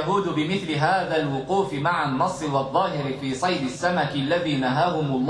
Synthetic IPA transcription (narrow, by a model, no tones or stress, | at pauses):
aɦuːd̪ʊbɪmɪθlɪɦaːðaːlwʊquːfɪmaʕanːɑsˤːɨwɑðˤːɑːɦɪɾɪfiːsˤɑjd̪ɪsːamakɪʔlːaðiːnaɦaːhʊmʊlˤː